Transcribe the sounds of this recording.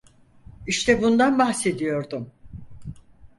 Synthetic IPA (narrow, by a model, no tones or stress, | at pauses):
iʃt̪ʰɛbund̪anbahse̞d̪ijo̞ɾd̪um